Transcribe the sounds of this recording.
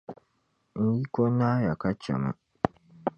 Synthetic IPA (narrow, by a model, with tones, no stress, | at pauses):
n̩˦ji˦ko˦naː˦ja˨ka˦t͡ʃa̰˨ma̰˨